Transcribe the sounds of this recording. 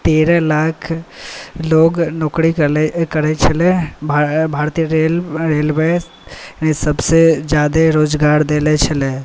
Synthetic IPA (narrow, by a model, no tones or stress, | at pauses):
t̪eːɾɛlaːkʰ | loːɡnoːkɾikkəɾɛt͡ʃʰəlebbʱaːɾt̪iɾelɾeːlbe | isəbsed͡ʒjaːd̪eɾoːd͡ʒɡaːɾd̪elɛt͡ʃʰəle